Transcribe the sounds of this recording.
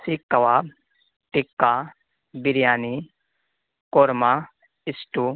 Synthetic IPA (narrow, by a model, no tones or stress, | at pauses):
sikːɐwa | ʈikːa | biɾjaːni | koɾma | ɪsʈu